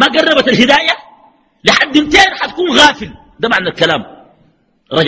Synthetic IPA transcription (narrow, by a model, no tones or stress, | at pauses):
maɡɑrˤːɑbat̪alhid̪aːja | liħad̪ːimt̪eːɾħat̪ḁkuːnɣaːfil | d̪amaʕnalkalaːm | ɾˤɑd͡ʒ